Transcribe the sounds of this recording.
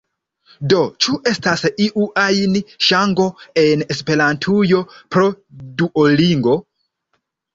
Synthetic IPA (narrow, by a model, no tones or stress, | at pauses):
do̞t͡ʃuʔe̞stasiʔuʔajnʃaŋɡo̞e̞nespe̞ɾantʰujo̞pɾo̞ | duʔoliŋɡo̞